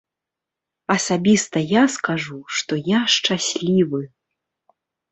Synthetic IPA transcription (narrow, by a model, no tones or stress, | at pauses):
ɐsabʲist̪ɐjaskaʐuʂt̪ɔjaʂt͡ʂasʲlʲivɨ